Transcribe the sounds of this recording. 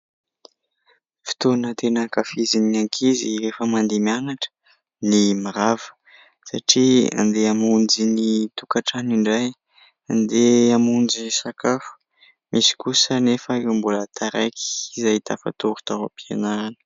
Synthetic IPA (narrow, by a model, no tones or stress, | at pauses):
fi̥t̪onət̪enakafizinaŋkʰiziɾefəmand̪emianaʈ͡ʂə̥ | nimaɾavə̥ | saʈ͡ʂia̰nd̪eamund͡ʒinit̪ukaʈ͡ʂaniɳɖ͡ʐaj | and̪eamund͡zinisakafu̥ | misi̥kusənefəmbulət̪ʰaɾajki̥ːzajt̪afa̰t̪uɾu̥t̪awa̰pia̰naɾanə̥